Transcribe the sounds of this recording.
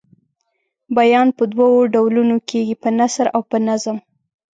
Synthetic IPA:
bajɑnpəd̪wawoɖawlunokʰeɡipənasɾawpənazəm

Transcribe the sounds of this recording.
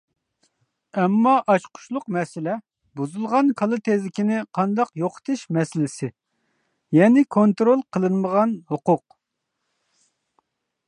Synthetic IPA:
ɛmːɑʔɑʃqʰʊ̥ʃlˠʊqmɛsɪlɛ | buzulˠʁɑnkʰɑlˠɨt̪ʰezlɪkʲinɪqʰɑnd̪ɑqjoqʰə̥t̪ʰɨʃmɛsɪlɪsɪ | jɛnɪkʰont̪ɾolˠqʰəlˠɨnməʁɑnhʊqʊq̚

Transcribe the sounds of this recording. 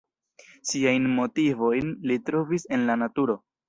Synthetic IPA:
siajnmo̞tivo̞jnlitɾo̞vise̞nlanatuɾo̞

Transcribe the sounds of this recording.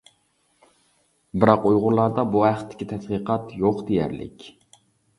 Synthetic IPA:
bɪɾɑqujʁʊɾlˠɑɾd̪ɑbuhæχt̪ʰːɪ̥kʲit̪ʰɛt̪qiqʰɑt̪joqd̪ejæ̰ɾlɪ̰kʲ

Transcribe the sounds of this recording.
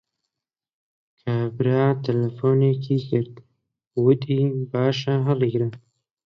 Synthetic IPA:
kʰaːbɾaːt̪ʰɐlɐfoːneːkʰiːkɪɾt̪ | wʊd̪iːbaːʃaɦɐliːɡɾa

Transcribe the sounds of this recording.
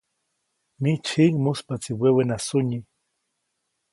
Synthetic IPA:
mit͡ʃʰiŋmuspat͡siwewenasuɲi

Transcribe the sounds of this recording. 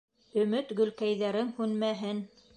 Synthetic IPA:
ɵ̆mɵt̪ɡɵ̆lkæjðæɾɘŋhʉnmæɦɘn

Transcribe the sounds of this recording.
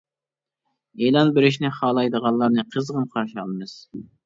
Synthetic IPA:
elˠɑnbeɾɪʃnɪχɑːlˠɑjd̪əʁɑnlˠːɑɾnɨqʰəzʁəmqʰɑɾʃiɑlˠmɨz̥

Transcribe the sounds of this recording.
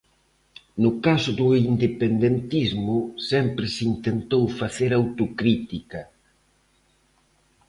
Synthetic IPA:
nʊkasʊðʊind̪epend̪ent̪izmʊsɛmpɾɪsint̪ent̪owfaθeɾawt̪okɾit̪ikɐ

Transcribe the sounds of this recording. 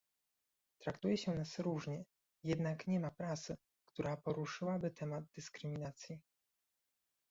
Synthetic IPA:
t̪ɾakt̪ujɛɕɛnasɾuʐɲɛ | jɛd̪nakɲɛmapɾat̪sɘ | kt̪uɾapɔɾuʂɘwabɘt̪ɛmad̪̚d̪ɘskɾɘmʲinat̪sʲji

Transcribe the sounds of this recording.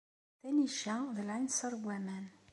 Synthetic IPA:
θæniʃæðəlʕinsɑɾˤwæmæn

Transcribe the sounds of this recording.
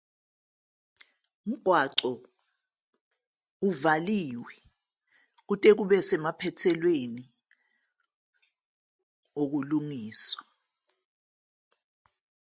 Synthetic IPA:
m̩ɡ̥ʱwaǀɔ | uvaliːwɛ | k̬utʼɛk̬uɓɛsɛmapʰɛtʰɛlweni | ok̬ulumiːswḁ

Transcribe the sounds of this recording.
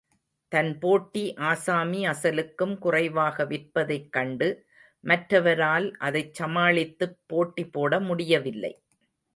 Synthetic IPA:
t̪ɐnpoːʈːiʔaːsaːmiɐsɐlɯkːɯmkʊrɐɪʋaːɣɐʋɪʈpɐðɐɪkːɐɳɖɯ | mɐʈɾɐʋɐɾaːlʔɐðɐɪt͡ʃsɐmaːɭɪt̪ːɯpːoːʈːipːoːɽɐmʊɽɪjɐʋɪlːɐ̰ɪ

